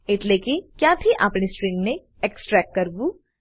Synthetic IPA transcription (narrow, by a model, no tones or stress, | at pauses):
ɪt̪leːkikjaːbʱiʔapnesʈɾɪ̃ŋɡne | eksʈɾɛːk̚ʈːɐɾbu